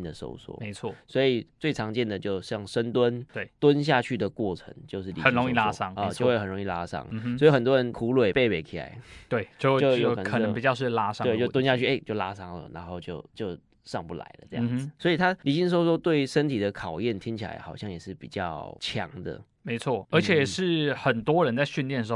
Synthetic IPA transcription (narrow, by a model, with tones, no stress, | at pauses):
nd̪ə˨so̰˥ʊswɔ̰˧˥me˧˥ɪt͡sʰwɔ˥˩swɔ˧˥i˨˩t͡swe˥˩ɪʈ͡ʂʰɑ˧˥ŋt͡ɕjɛ˥˩nd̪ə˩t͡ɕjo˥˧ʊɕjɑ˥˩ŋʂə˥nt̪wə˦nt̪we˥˩t̪wə˦nɕ̬ja˥˧t͡ɕʰy˥˩d̪ə˩kwɔ˥˩ʈ͡ʂʰə̰˧˥ŋt͡ɕjo˥˧ʊʂɻ̩˥˩li˧˨ə˨˩nɻo˧˦ŋi˥˨la˥sɑ˥ŋ˧jo˥˧we˥˧xə˨˩nɻo˧ŋi˥˩la̰˥ʂɑ̰˥ŋ̩˩sɔ˧˥i˨˩xə˨˩nt̪wɔ˥ɻə˧˦nkʰu˧˥lwe˨˩ɪpe˥˩ɪpe˨˩ɪkʰi˨˩la̰˧˥˦ɪt̪we˥˩ɪt͡ɕjo˥˧t͡ɕo˥˧ʊjo˨˧˥ə˨˩kʰəpi˨˩t͡ɕjɑ˥˧ʊʂɻ̩˥˩la˥ʂɑ˥˧t͡ɕo˥˩ʊt̪wə˥nɕja˥˧t͡ɕʰy˥˩ʔe˥ɪt͡ɕjo˥˩ʊla˥ʂɑ˥ŋlə̰˨na̰˧˥nxo˥˧ʊt͡ɕjo˥˩ʊt͡ɕjo˥˧ʊ | ʂɑ˥˧ŋpu˥˩la̰˧˥ɪlə̰˧ʈ͡ʂɤ˥˧jɑ̃˨˥˩d͡z̩˩swɔ˧˥i˨˩t̪ʰa˥li˨˥ɕi˥ŋʂ̬wɔ˥ʂwɔ˥t̪we˥˩ɪʂə˥nt̪ʰi˨˩d̪ə˦kʰɑ˨˩ʊjɛ˥˩nt̪ʰi˧˥ŋt͡ɕʰi˨˩la̰˧˥ɪxɑ˨˩ʊɕjɑ˥˩ŋjɛ˨˩ʂɻ̩˥˩pi˨˩t͡ɕjɑ˥˩ʊt͡ɕʰjɑ̰˨˧˥ŋd̪ə̰˨ | me˧˥ɪt͡sʰwɔ˥˩ə˧˥t͡ɕʰjɛ˧˨˩ʂɻ̩˥˩xə˨˩nt̪wɔ˥ɻə˧˦nt͡sa˥˧ɪɕy˥˧nljɛ˥˩nʂ̩˧˥˧